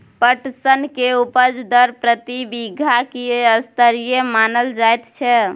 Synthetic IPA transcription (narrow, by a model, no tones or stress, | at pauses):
pəʈsənkeupəd͡ʒd̪əɾpɾət̪ibiɡʱakiəst̪əɾijemanəld͡ʒajt̪t͡ʃʰɛ